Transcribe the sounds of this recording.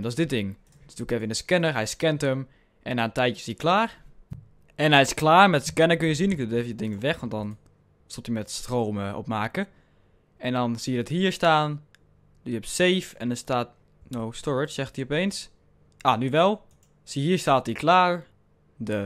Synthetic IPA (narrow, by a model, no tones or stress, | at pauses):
dɔsdɪt̚dɪŋ | dsdukeːfəɪndəskɛnəɹɦɛjskɛntəm | ʔɛnaːntɛjtjəsiəklaːr | ʔɛnɦɛjɪsklaːɹmɛtskɛnəkønjəsinɪk̚duteːfəjədɪŋəʋɛxʋɔntdɔn | solˠtimɛtstroːməʔo̰p̚maːkə | ʔɛndɔnsiːjədɔthiːɹstaːn | dsjəɛpseːfɛ̰ndəstaːt | nowstɔɹɪt͡ʃsɛxtiopeːns | ʔanyʋɛlˠ | siɦiəɹstaːtiklaːɹ | də